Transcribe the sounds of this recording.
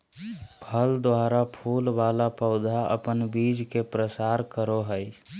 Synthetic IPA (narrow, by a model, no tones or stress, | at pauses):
pʰəld̪waɾapʰulbalapəʊd̪ʱaʔə̰pənbid͡ʒkepɾəsaɾkəɾoɦəj